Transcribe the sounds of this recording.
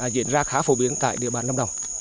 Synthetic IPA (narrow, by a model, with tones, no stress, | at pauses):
zḭ˧˩ənzaː˧xaː˨˦fo˨˧˦ɓi˨˦ənt̪a̰ː˧˨jɗḭ˧˨əɓaː˨˩nlə˧ŋ͡mɗə˨˩wŋ͡m